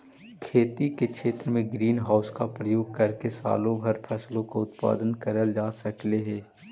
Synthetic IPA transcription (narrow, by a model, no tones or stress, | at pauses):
kʰeːt̪ikekʃeːt̪ɾəmẽɡɾiːnɦaːʊskapɾəjoːɡ̚kɐɾkesa̰ːlõbʱɐɾpʰɛːslõkoʊt̪pa̰ːd̪ənkəɾəld͡ʒaːsɐkleɦɛː